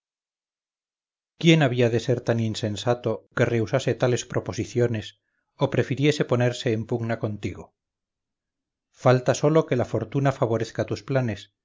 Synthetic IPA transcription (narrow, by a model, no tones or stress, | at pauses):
kje̞naβiaðe̞se̞ɾt̪aninse̞nsat̪o̞ke̞re̞usase̞t̪ale̞spɾʔopo̞siθjo̞nes | o̞pɾe̞fiɾje̞se̞po̞ne̞ɾse̞ːmpuɡnako̞nt̪iɣo | falt̪aso̞lo̞ke̞lafo̞ɾt̪unafaβ̞o̞ɾeθkat̪usplane̞s